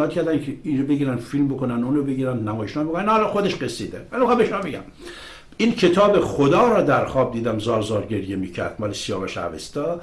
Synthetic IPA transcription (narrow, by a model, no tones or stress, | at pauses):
t̪kʰʲæɾd̪ænkʰeinobeɡiːɾænd̪filmbokonænuːnobeɡiːɾænd̪næmɒːjeʃnɑːbokonænɒlɒxod̪eʃɡesid̪emælmixɑmbeʃomɒbeɡæ̰m | iːncʰe̞t̪ʰɒːbexod̪ɒːɾɒːd̪æɾxɒːb̚d̪iːd̪æmzɒːɾzɒːɾɟeɾjemiːcʰæ̰ɾd̪̥mɒːlesijɒːmæʃæ̰vḛst̪ɒ